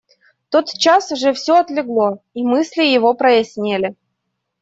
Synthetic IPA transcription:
t̪ot̪t͡ɕasʊʐɛfsʲoɐt̪lʲɪɡlˠoimɨsʲlʲɪjɪvopɾəjɪsʲnʲelʲɪ

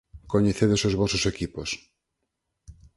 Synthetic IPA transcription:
koɲeθeðesozβɔsosekipos

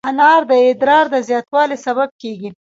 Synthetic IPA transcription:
anɑɾd̪əɪd̪ɾɑɾd̪əzjɑt̪wɑlesaβab̚keɡi

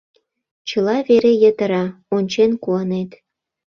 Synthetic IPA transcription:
t͡ɕəlɑβeɾejət̪ə̆ɾɑonʲt͡ɕenkuɑnet̪

